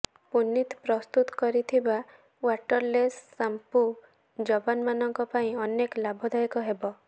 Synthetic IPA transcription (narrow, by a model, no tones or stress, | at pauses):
punːit̪pɾɔst̪ut̪ɔ̥kɔɾit̪ʰiba | waʈɔɾlesːampu | d͡ʒɔbanmanɔŋkɔpaĩɔneklabʱɔd̪ajkɔɦebɔ